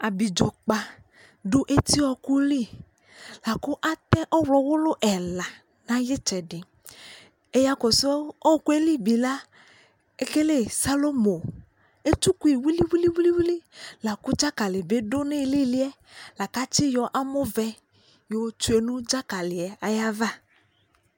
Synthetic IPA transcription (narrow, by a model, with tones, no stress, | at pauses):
a˨bi˨d͡ʒɔ˨k͡pa˨ | ɖo˦ʔe˦t̪i˦ɔ˦ku˦li˦˨ | la˨ku˦ʔa˦t̪ɛ˦ʔɔ˦wlɔ˨wʊ˦lo˦ʔɛ˨la˨ | nã˦je˦t͡ʃɛ˨ɖɪ˨ | e˦ja˦kɔ˨sɔ˦ɔ˦ku˦e˦li˦bi˨la˦ | e˦ke˦le˦˨sa˦lo˦mo˨ | e˦tu˦ku˦i˨wi˦li˦wi˦li˦wi˦li˦wi˦li˦la˨kʊ˦d͡ʒa˦ka˨lɪ˨be˦ɖʊ˦nɪ˦˨li˦lɪ˦ɛ˦ | la˨ka˦t͡ʃɪ˦jɔ˨ʔa˦mʊ˦vɛ˦ | jo˨˦t͡ʃu˦e˨nũ˦d͡ʒa˦ka˨lɪ˨ɛ˨a˨ja˦va˦